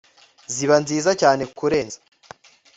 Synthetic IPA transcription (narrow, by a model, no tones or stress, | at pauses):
ziβanziːzacaːne̞kuɾe̞ːnzḁ